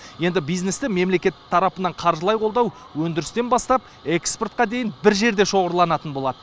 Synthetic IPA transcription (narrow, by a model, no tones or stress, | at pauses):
je̞nd̪ɪbijznest̪ɪme̞mle̞kʲe̞t̪ːɪ̥t̪ʰːɑɾɑpənɑɴqʰɑɾʒəlˠɑjqʰo̞lˠd̪ɑw | wɵnd̪ɪɾɪst̪e̞nbɑst̪ɑp̚ | eksport̪̚qɑd̪e̞jɪnbɪɾʒe̞ɾd̪e̞ʃo̞ʁəɾlˠɑnɑt̪ənbo̞lˠɑd̪ə